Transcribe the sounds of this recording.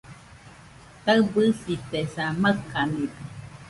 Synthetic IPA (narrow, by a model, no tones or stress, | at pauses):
t̪aɨbɨsit̪esaməkaniɾa